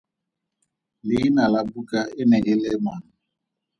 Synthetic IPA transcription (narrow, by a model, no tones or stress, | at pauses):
linalabukaeneɡɪlemwan̩